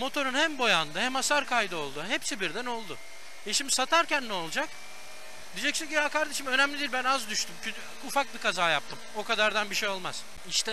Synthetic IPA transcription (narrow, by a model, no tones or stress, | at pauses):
mo̞t̪ʰo̞ɾunhæmbo̞jand̪ɯhæmasaɾkʰajd̪ɯo̞lˠd̪ʊɦepsibiɾd̪æno̞lˠd̪ʊ | ɛʃimd̪isat̪ʰaɾcænːɛo̞lˠd͡ʒak | d̪id͡ʒɛcsinɟijakaɾd̪eʃɯmø̞næmlʲid̪ilʲbænazd̪yʃt̪ʰymcʰy | ufak̚bikazaːjap̚t̪ʰɯmo̞kad̪aɾd̪anbiʃejo̞lˠma̰z̥ | iʃt̪ɛ